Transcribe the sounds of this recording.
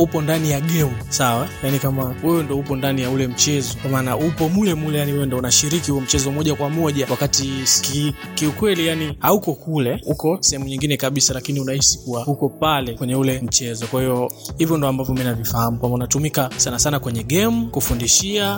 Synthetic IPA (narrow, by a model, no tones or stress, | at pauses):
upɔndanijaɠɛmusawajanikamawɛwɛndiɔhupɔndanijaulɛm̩t͡ʃɛzɔkamaːnaupɔmulɛmulɛjaniɛɛndɔunaʃiɾikihuɛm̩t͡ʃɛzɔmɔʄakwamɔʄawakati̥kikiukwɛlijanihaukɔkulɛukɔsɛhɛmuɲiŋɡinɛkaɓisalakiniunahisi̥kuwahukɔpalɛkwɛɲɛulɛm̩t͡ʃɛzɔkwahiɔhivjɔndɔambavjɔminavifahamukwambaunatumikasanasanakwɛɲɛɠɛmukufundiʃia